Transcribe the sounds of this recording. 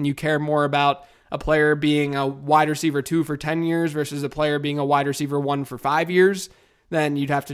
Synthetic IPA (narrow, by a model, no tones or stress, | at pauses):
njɨkʰɛɹmɔɹɨbaʊɾ | ʔəpʰl̥eɪə˞biɪ̃ŋəwaɪd̚ɹɨsivə˞tʰʉfə˞tʰɛ̃njɪɹzvɜ˞sɨzɨpʰl̥eɪə˞biɪ̃ŋəwaɪd̚ɹɨsivə˞wʌ̃nfə˞faɪvjɪɹz | ðɨ̃njɨd̚hæftɨ